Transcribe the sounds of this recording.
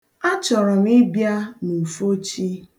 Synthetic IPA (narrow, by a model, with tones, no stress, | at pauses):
a˦t͡ʃɔ˨ɾɔ˨m˦ɪ˦bja˦nu˨fo˦t͡ʃi˦